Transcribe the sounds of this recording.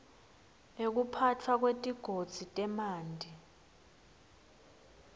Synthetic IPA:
ek̬upʰat͡fʰwak̬wetʼiɡ̥ʱod̥z̥ʱitʼɛmaːndʱi

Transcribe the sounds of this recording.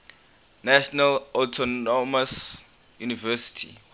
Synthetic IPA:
naʃɔnalɔtʰɔɔmas | junivɛsi̥tʰḭ

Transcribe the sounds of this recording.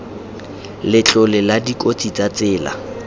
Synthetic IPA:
lɪt͡ɬʼʊlɪladikʼot͡sʼit͡sat͡sɪːla̰

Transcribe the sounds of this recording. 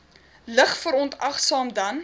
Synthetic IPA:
ləχfəɾɔntɐχsɑːmdɐn

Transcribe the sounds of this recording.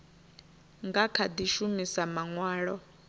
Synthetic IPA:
ŋɡakʰad̪iʃumisamaŋwaːɺɔ

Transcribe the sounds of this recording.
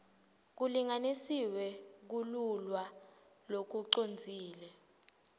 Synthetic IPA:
k̬uliŋanisiwɛk̬ululwa | lok̬uǃond͡zʱiːlɛ

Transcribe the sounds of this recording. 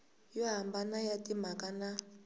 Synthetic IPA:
jɔɦambanajatim̤akana

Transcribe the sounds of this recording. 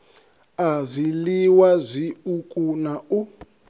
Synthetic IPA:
azʷiliwazʷiukʼunau

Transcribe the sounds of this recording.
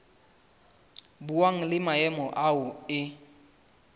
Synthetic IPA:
buwaŋ̩lɪmaɛmɔʔaʊɪ

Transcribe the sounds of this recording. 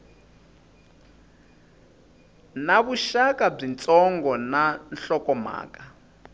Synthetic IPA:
naβuʃakʼab͡ʐint͡sʼɔŋɡɔnanɬɔkɔma̰ːkʼa

